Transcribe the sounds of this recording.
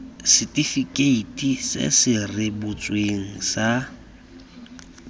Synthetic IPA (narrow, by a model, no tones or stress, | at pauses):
sɪtʼifikʼeitʼisɪ̰sɪrɪbʊt͡sʼweŋ̩sa